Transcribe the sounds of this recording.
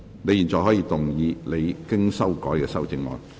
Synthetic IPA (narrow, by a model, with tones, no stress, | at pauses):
ne˨˧jiː˨˩nt͡sɔː˨˩ɦɔː˨˥jiː˧t̪ʊ˨ŋjiː˨˧le˨˧jkɪ˥ŋsɐ˥wkɔː˨˥jkɛː˧sɐ˥wt͡sɪ˧ŋlɔ̰ː˨˧n